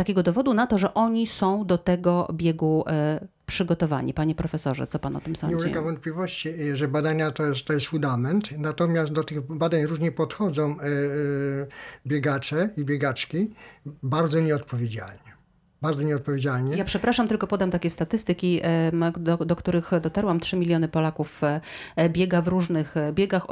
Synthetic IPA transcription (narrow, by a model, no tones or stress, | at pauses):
t̪akʲɛɡɔd̪ɔvɔd̪unat̪ɔʐɛʔɔɲisɔ̃w̃d̪ɔt̪ɛɡɔbʲjɛɡu | pʂɘɡɔt̪ɔva̰ɲḭpaɲɛpɾɔfɛsɔʐɛ̰t̪sɔpanɔ̰t̪ɨmsamɛkavɔnt̪̚plʲivɔɕt͡ɕiʐɛbad̪aɲat̪ɔjɛst̪ɔjɛst̪fũnd̪amɛnt̪nat̪ɔmʲjast̪̚d̪ɔt̪ɘɣbad̪aɲɾuʐɲɛpɔt̪xɔd̪zɔ̃w̃ | bʲjɛɡat͡ʂɛibʲjɛɡat͡ʂkʲibaɾd̪zɔɲɛɔt̪pɔvʲjed͡ʑa̰lɲɛ | baɾdzɔɲɛɔt̪̚pɔvʲjed͡ʑalɲɛjapʂɛpɾaʂamt̪ɘlkɔpɔd̪amt̪akʲɛst̪at̪ɘst̪ɘkʲi | d̪ɔd̪ɔkt̪uɾɘxd̪ɔt̪aɾwamtʂɘmʲilʲjɔnɘpɔlakuf | bʲjɛɡavɾuʐnɘxbʲjɛɡax